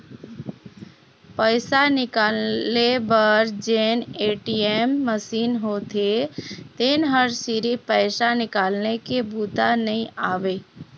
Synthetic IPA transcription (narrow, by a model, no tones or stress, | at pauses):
pəɪsanɪkaːlebəɾd͡ʒeneʈiemːəsiːnɦot̪et̪eːnɦəɾsiɾipəɪsanɪkaːlnekebuːt̪anəĩaːʋe